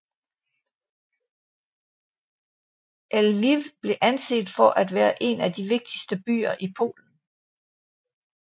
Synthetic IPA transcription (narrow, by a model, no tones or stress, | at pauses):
ʔælʋiʋb̥le̝ʔænse̝̰ːd̥fɒ̽ʔæd̥ʋæːɐʔe̝næd̥iʋe̝ɡ̥̚d̥isd̥əb̥y̰ːɐʔipʰo̝̰ːln̩